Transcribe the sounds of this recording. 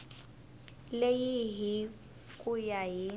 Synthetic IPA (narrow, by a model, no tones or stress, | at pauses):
lejiɦi | kʼujaɦi